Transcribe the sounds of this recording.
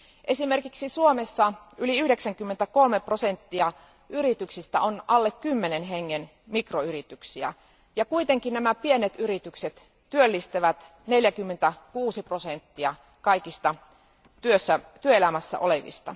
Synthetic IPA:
ʔesimerkiksisuomesːɑyliyhdeksæŋkymːent̪ækolmeprosent̪ːiɑ | ʔyrit̪yksist̪æ̰onʔɑlːekkymːenenɦeŋːen | mikroyrit̪yksiæ̰ | jɑkuit̪eŋkinnæmæpienet̪yɾit̪ykset̪ː | yølːist̪eʋæt̪ | ne̞ljækymːent̪ækuːsiprosent̪ːiɑ | kɑikist̪ɑ | t̪yøsːæt̪yøelæmæsːæ̰ʔoleʋḭst̪ɑ̰

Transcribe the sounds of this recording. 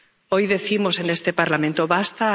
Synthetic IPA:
o̞jðe̞θimo̞se̞nest̪e̞paɾlamẽnt̪oβast̪a

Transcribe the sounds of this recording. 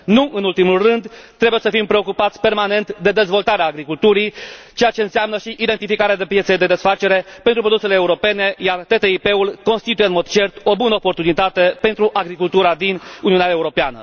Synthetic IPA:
nuʔɨnult̪imulrɨnd̪t̪ːɾe̞buje̞səfimpɾe̞o̞kupat̪sʲpe̞rmane̞nt̪d̪e̞d̪e̞zvo̞lt̪aɾeaːɡɾikult̪uɾijt͡ʃe̞jat͡ʃe̞ɨnseamnəʃiʔid̪e̞nt̪ifikaɾead̪e̞pjet̪sed̪e̞d̪esfat͡ʃe̞ɾe̞pent̪ɾupɾo̞d̪use̞le̞ːuɾo̞pe̞ne̞jart̪e̞t̪e̞ipe̞ulko̞nst̪it̪ujeɨnmo̞d̪t͡ʃe̞rt̪o̞bunəopo̞rt̪unit̪at̪e̞pe̞nt̪ɾuʔaɡɾikult̪uɾad̪inuniuneae̞uɾo̞pea̰nə̰

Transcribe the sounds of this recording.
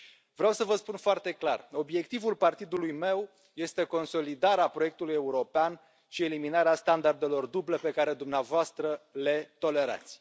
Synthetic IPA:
vɾeawsəvəspunfoart̪e̞klaro̞bje̞kt̪ivulpart̪id̪ulujme̞w | je̞st̪e̞ko̞nso̞lid̪aɾeapɾo̞je̞k̚t̪uluje̞uɾo̞pean | ʃie̞liminaɾeast̪and̪ard̪e̞lo̞rd̪uble̞pe̞kaɾe̞d̪umneavoast̪ɾəle̞t̪o̞le̞ɾa̰t̪sʲ

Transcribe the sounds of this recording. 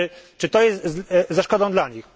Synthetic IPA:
t͡ʂɘt̪ɔjɛst̪zaʂkɔd̪ɔ̃d̪laɲix

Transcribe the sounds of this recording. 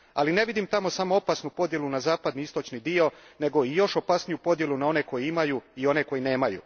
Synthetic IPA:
a̰line̞ʋid̪imt̪amo̞samo̞opasnupo̞d̪je̞lunazaːpad̪niist̪o̞t͡ʃnid̪io̞ne̞ɡo̞ijo̞ʃopasnijupo̞d̪je̞lunao̞ne̞ko̞jiimajuio̞ne̞ko̞jine̞ːmajṵ

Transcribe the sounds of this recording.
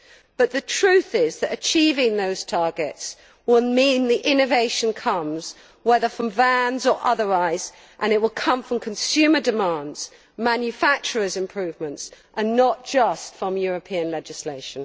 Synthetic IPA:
b̥ʌt̪̚ðɨtʰɹ̥ʉθɪzðɨɾɨt͡ʃʰivɪ̃ŋðoʊz̥tʰɑɹɡɪts | wɪlˠmĩnðiʔɪ̃nɨveɪʃɨ̃nkʰʌ̃mz̥ | wɛðəfɹə̃ɱvæ̃nzə˞ʔʌðə˞aɪz̥ | ʔə̃nɪʔ̚wəlˠkʰʌ̃ɱfɹə̃mkʰə̃n̩sʉmədɨmɑ̃ndz̥ | mæ̃njɨfæk̚t͡ʃə˞ɨzɨ̃mpʰɹ̥ʉvmə̃ntsʔənːət̚d̥ʒ̥ʌstfɹə̃mjʊɹɨpʰĩə̃nlɛd͡ʒɨsleɪʃə̃n

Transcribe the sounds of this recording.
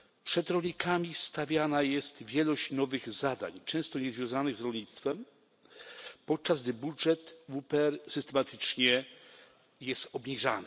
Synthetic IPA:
pʂɛd̪ɾɔlɲikamʲist̪avʲjanajɛst̪vʲjɛlɔɕt͡ɕnɔvɘɣzad̪a̰ɲt͡ʂɛ̃w̃st̪ɔɲɛzvʲjɔ̃w̃zanɘɣzɾɔlɲit̪st̪fɛm | pɔt̪̚t͡ʂazɡd̪ɘbudʐɛt̪vupɛɛɾsɘst̪ɛmat̪ʰɘt͡ʂɲɛ | jɛst̪ɔbɲiʐanɘ

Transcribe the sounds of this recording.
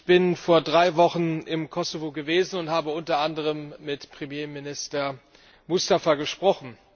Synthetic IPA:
çb̥ɪnfoːɐdʁaɪvɔχn̩ɪmkʰɔsovoɡəveːzn̩ʊnthaːbəʊntɐʔandəʁəmːɪtpʁ̥emjeːmɪnɪstɐ | mʊstafɐɡəʃpʁ̥ɔχn̩

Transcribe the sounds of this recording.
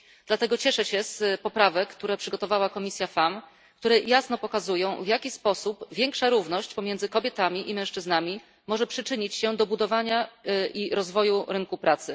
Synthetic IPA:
d̪̥lat̪ɛɡɔt͡ɕɛʂɛɕɛspɔpɾavɛkːt̪uɾɛpʂɘɡɔt̪ɔvawakɔmʲisʲjafam | k̚t̪uɾɛjasn̪ɔpɔkazujɔ̃w̃vʲjakʲispɔsupvʲjɛŋkʂaɾuvnɔɕt͡ɕpɔmʲjɛnd̪zɘkɔbʲjɛt̪amʲiʔimɛ̃w̃ʂt͡ʂɘznamʲi | mɔʐɛpʂɘt͡ʂɘɲit͡ɕɕɛd̪ɔbud̪ɔvaɲaiɾɔzvɔjuɾɘŋkupɾʔat̪sɘ

